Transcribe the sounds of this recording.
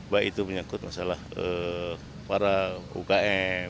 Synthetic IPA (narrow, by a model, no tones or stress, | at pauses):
bait̪upəɲakʊt̪̚masalahə | paɾaṵkaɛ